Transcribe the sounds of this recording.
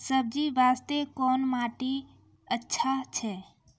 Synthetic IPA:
səb̚d͡ʒiʋaːst̪ekɔːnmaːʈi | ətːʃʰat͡ʃʰɛ

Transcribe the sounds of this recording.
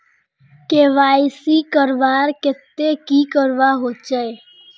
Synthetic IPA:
keʋaːisikəɾʋaːɾket̪ːekiːkəɾʋaɦot͡ʃəe

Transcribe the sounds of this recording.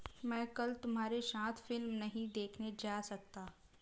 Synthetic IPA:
mɛ̃ːkɐlt̪ʊmɦaːɾeʃãːt̪ʰfɪlmnɐɦĩd̪eːkʰned͡ʒaːsɐk̚t̪aː

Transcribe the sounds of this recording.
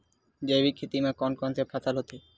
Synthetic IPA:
d͡ʒejbikʰːet̪imakɔnkɔnsepʰat̪alot̪ʰe

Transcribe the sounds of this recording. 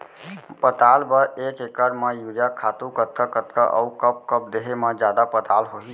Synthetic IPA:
pət̪albəɾekekəɾmejuɾijakʰat̪ukət̪̚kəkət̪kəʔə̰ukəp̚kəp̚d̪eɦeməd͡ʒjad̪apət̪alɦoɦi

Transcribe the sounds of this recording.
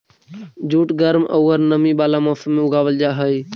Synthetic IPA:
d͡ʒuːʈɡəɾməuːəɾnəmĩːɓaːlaːmaːfəmẽʊɡaːʋəld͡ʒaːɦəiː

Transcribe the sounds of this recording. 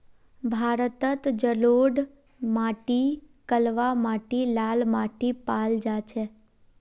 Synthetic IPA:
bʱaɾət̪ət̪d͡ʒəloɖ | maʈikəlʋamaʈilalmaʈipald͡ʒat͡ʃʰe

